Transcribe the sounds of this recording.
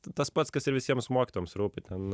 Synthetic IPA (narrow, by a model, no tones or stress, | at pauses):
t̪ɐspɐt̪skɐsɪɾʋʲɪsʲiɛmsmuɔkʲt̪uɔmsɾuːpʲɪt̪ʲɛn